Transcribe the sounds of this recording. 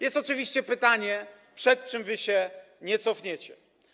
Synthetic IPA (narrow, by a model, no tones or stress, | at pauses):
jɛst̪ɔt͡ʂɨvʲiɕt͡ɕɛpɘt̪aɲɛ | pʂɛt̪̚t͡ʂɘmvɘɕɛ | ɲɛt̪sɔfɲɛt͡ɕɛ